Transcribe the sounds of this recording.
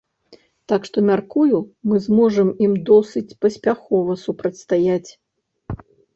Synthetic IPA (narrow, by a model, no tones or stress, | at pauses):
t̪akʂt̪ɔmʲarkujumɨzmɔʐɐmimd̪ɔsɨt͡sʲpɐsʲpʲaxɔvɐsupɾɐt̪ʲst̪ajat͡sʲ